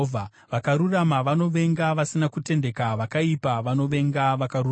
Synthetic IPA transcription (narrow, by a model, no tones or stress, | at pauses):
vʱa | ʋakaɾuramaʋano̞ʋe̞ŋɡaʋasinakute̞nde̞kaʋakaipaʋano̞ʋe̞ŋɡaʋakaru